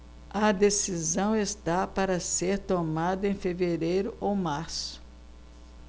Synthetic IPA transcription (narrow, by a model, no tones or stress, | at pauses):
ɐd̪esizɐ̃w̃est̪apaɾɐseɾt̪omad̪ɐẽj̃feveɾejɾʊʔowmaɾsʊ̥